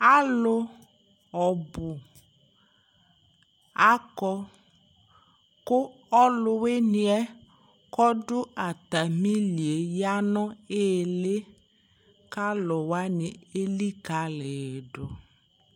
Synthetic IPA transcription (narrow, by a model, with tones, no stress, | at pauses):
a˦lʊ˦ | ɔ˨bʊ˨ | a˦kɔ˦ | kʊ˦ | ɔ˦lʊ˦we˦ni˨ɛ˦ | kɔ˦ɖʊ˦a˨t̪a˨mĩ˦li˨e˨ja˦nɔ̃˦e˦˨lɪ˦ | ka˦lʊ˨wa˦nɪ˨e˦li˦ka˨lɛ˨ɖʊ˨